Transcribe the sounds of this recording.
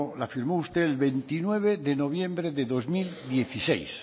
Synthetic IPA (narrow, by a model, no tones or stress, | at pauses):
lafiɾmoust̪eːlβent̪inweβ̞eðeno̞β̞jẽmbɾeðeðo̞zmild̪je̞θisḛjs